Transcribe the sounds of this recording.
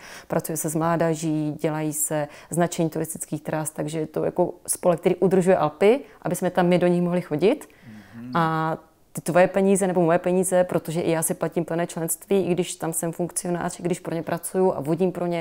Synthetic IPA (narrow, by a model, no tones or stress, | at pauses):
pɾʔat͡sujɛsɛzmlaːdaʒiɟɛlajisɛznat͡ʃɛɲiːt̪uɾɪst̪ɪ̥t͡skiːxt̪ɾast̪aɡʒɛjɛt̪oja̰kospolɛk̚t̪ɛɾiːʔud̪r̩ʒujɛʔalpɪʔa̰bɪsmɛt̪amːɪdo̞ɲɪxmoɦlɪxo̞ɟɪt̪ | ʔa | t̪ɪt̪vo̞jɛpɛɲiːzɛnɛbo̞mojɛpɛɲiːzɛpɾot̪o̞ʒɛʔɪjaːsɪplaciːmpl̩nɛːt͡ʃlɛnst̪viːʔɪɡdɪʃt̪amsɛmfuŋkt͡sɪo̞na̰ːr̥ɪɡdɪʃpɾo̞ɲɛpɾʔat͡sujuʔa̰voɟimpɾo̞ɲɛ